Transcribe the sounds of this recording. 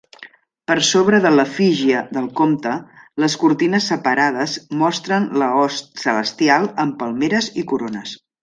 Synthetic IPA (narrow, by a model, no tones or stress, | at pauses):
pəɾsoβɾəðələfiʒiəðəlˠkomt̪ələskurt̪inəsːəpəɾað̞əzmɔst̪ɾənləɔssələst̪ialˠəmpəlˠmeɾəzikuɾonəs